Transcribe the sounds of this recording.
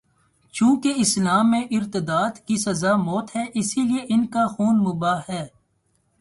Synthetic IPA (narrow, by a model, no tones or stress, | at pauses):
t͡ʃũːkeɪslaːmːẽʔɪɾt̪ɪd̪aːd̪kisɐzamɔːt̪ɦɛːʔɪsilieʔɪnkaxuːnmʊbaːɛː